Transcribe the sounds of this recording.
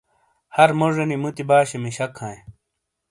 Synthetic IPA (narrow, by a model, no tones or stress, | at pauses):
hɐɾmoʐɐnimut̪ibaːɕemiɕɐkʰhãːẽ